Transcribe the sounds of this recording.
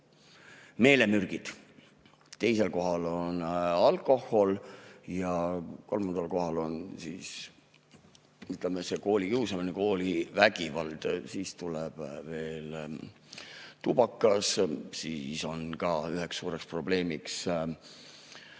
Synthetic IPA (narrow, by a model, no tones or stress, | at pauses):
me̞ːle̞myrɡ̥id̪̥ | t̪e̞jse̞lko̞ɦɑlo̞nɑlkˑo̞ho̞ljɑko̞lmɑnd̪̥ɑlko̞ɦɑlo̞nsḭːs | yt̪lemese̞ko̞ːlʲikiwsɑmineko̞ːlivæɡ̥ivɑld̪̥siːst̪ulɛb̥ve̞ːl | t̪ub̥ɑkˑːɑssḭːso̞nkɑyɦeksːuːɾe̞kspro̞ble̞ːmiks